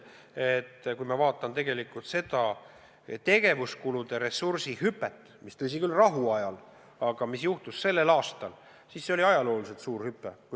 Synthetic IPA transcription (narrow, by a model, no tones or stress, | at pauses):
et̪ːkujmɑvɑːt̪ːˑɑnt̪e̞ɡe̞likːˑult̪se̞d̪ɑ | t̪e̞ɡ̥e̞vuskulud̪̥e̞ɾe̞sːursihypːˑet̪ːˑ | mist̪ɤs̬ikylrɑɦuɑjɑl | ɑɡ̥ɑmisjuht̪usse̞lːe̞lɑːst̪ɑl | siːsːeo̞liɑjɑlo̞ːlise̞t̪suːrhypːˑeku